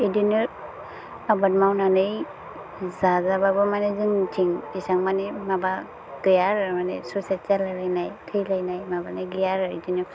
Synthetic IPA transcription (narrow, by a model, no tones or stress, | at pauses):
idɯnɯ | abat̚mawnanɯj | zazababɯmanezɯŋtʰiŋisaŋmanemaba | ɡ̥ɯjaɾɯmanesuset͡ʃalajlajnajkʰɯjlajnajmabanɯjɡɯjaɾɯidɯnɯ